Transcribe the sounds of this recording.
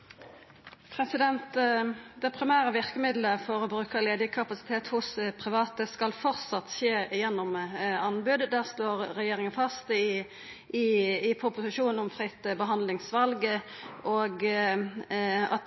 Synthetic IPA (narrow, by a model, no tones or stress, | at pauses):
pʰʁɛsɪd̪ɛnt̪d̪ɛpʰʁɪmæːʁəʋɪʁkəmɪd̪ləfɔʁɔbʁʉːkəleːd̪əkʰɑpɑsɪ̥t̪ʰeːt̪hʊspʰʁɪʋɑːt̪əskɑlfɔʁt̪sɑt̪ːʃeːjɛnːɔmɑnbʉd̪d̪æːʁsloːʁʁɛjeːɾɪŋənfɑst̪ | ʔɪɪpʰʁʊpʊsɪʃuːnn̩ɔmfɾʁɪt̪ːbəɦɑnd̪lɪŋsʋɑlɡə | ʔoːɡ | ɑ̰t̪